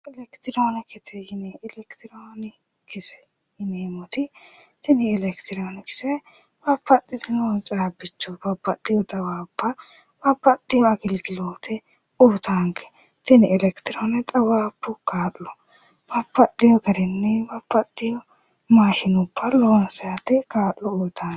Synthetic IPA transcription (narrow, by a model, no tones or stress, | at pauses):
ʔɛlɛkt̪ɪɾoːnɛkɪt̪ʰɛjɪneːʔɪlɛkt̪ɪɾoːnɪ | kɪsɛ̥ | jɪneːmɔt̪ɪ | t̪ɪnɪːlɛkt̪ɪɾoːnɛkɪ̥sɛ | bɐpːɐt̪ʼːɪd̪ɪnɔnt͡ʃʼaːbɪt͡ʃːɔbɐpːɐt̪ʼːɪjɔt̪ʼɐwaːpːɐ | b̥ɐpːɐt̪ʼːɪjɔɐɡɪlɡɪloːt̪ɛ | uːt̪aŋkɛ̥ | t̪ɪnɪɛlɛkt̪ɪɾoːnɛt̪ʼɐwaːpːʊkaːʔlɔ | b̥ɐpːɐt̪ʼːɪjɔɡɐɾɛnːɛbɐpːɐt̪ʼːɪjɔ | maːʃɪnʊpːɐloːnsɛjat̪ɛkaːʔlɔoːt̪ʰaː